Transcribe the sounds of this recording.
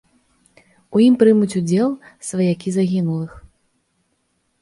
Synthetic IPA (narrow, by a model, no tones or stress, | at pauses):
ujimpɾɨmut͡sʲud͡zʲɛlˠsvɐjakʲizaɣʲinulˠɨx